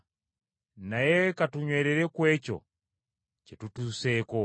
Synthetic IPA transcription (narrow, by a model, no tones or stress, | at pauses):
najɛkatuɲweɾɛɾekwɛt͡ʃo̰ | t͡ʃetutusɛko